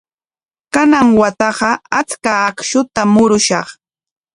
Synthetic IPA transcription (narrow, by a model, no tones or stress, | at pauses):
kanaŋwat̪ɑɢɑat͡skaːkʃʊt̪amʊɾʊʃɑχ